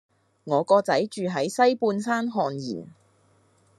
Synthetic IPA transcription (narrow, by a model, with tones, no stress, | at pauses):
ŋɔː˨˧kɔː˧t͡sɐ˨˥jt͡ʃyː˨ɦɐ˨˥jsɐ˥jpuː˧nsaː˥nɦɔː˨njḭː˨˩n